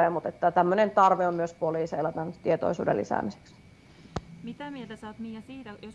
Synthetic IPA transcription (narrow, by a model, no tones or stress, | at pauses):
eːmut̪et̪ːæt̪æmːønent̪ɑrʋeommyøspoliːseelæt̪ænt̪iet̪o̰isṵːdḛlːḭsæ̰ːmise̥ks | mit̪æmielt̪æsæot̪miːæsiːt̪æjos